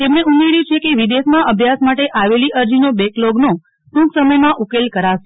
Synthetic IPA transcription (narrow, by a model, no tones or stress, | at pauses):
t̪emɳeuneɾit͡ʃʰekeʋid̪esmãʔəbʱjasmaʈeʔaʋeliʔəɾd͡ʒinobekloɡno | ʈũksəməjmãʔukelkəɾaʃe